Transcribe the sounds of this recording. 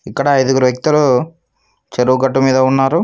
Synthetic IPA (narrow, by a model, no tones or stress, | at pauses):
ikːɐɽɐːjd̪uɡuɾuʋek̚t̪ulu | t͡ʃeɾuuɡɐʈːumiːd̪ɐunːaːɾu